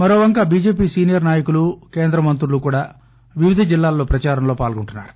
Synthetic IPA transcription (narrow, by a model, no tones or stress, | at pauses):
mɐɾoːʋɐŋkaːbiːd͡ʒe̞ːpiːsiːnijɐɾnaːjɐkuluke̞ːnd̪ɾɐmɐnt̪ɾulukuːɽaː | ʋiʋid̪ʱɐd͡ʒilːaːlːo̞ːpɾɐt͡ʃaːɾɐmlo̞ːpaːlɡuɳʈunːa̰ːɾu̥